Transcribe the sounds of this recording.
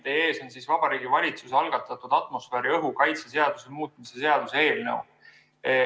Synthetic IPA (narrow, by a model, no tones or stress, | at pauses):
d̪̥ee̞ːso̞nsisvɑb̥ɑɾiːɡ̥ivɑlʲit̪suseɑlɡ̥ɑt̪ːˑɑt̪ːˑud̪̥ɑt̪ˑmo̞sfeːɾiɤɦukɑjt̪sese̞ɑd̪̥usemuːt̪̚ˑmise̞se̞ɑd̪̥usee̞ːlnḛw